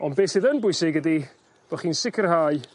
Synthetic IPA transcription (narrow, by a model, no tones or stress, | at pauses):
ɔnbeːsɨðənbʊɨsɪɡədi | b̥ɔχiːnsɪkʰərhaːɨ